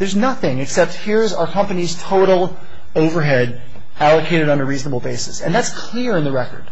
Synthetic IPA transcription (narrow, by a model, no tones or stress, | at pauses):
ðə˞znʌθɪ̃ŋɨksɛp̚t̚hiɹzaə˞kʰʌ̃mpɨniz̥tʰoʊɾl̩ˠ | oʊvə˞ɦɛɾ | ælˠəkʰeɪɾɨɾn̩ɨɹiznəbl̩ˠbeɪsɨsɨ̃nðætskʰl̥ɪɹɨ̃nðəɹɛkə̰˞d̥